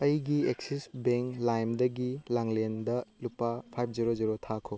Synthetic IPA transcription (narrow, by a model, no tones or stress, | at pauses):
ɐjɡieksisbeŋklajmdɐɡilaŋlendɐlupapʰajpʰd͡ʒiɾoziɾotʰakʰo